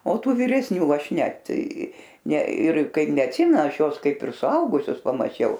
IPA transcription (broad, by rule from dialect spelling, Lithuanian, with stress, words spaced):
oː ˈtuː ʋʲiːrʲɛsʲˈnʲuː ˈɐʃ ˈnʲɛt nʲɛ ɪr ˈkɐɪp nʲɛɐtʲˈsʲɪmʲɛn ɐʃ ˈjuɔs ˈkɐɪp ɪr sʊˈɐʊɡʊsʲʊs pɐmɐˈt͡ʃʲɛʊ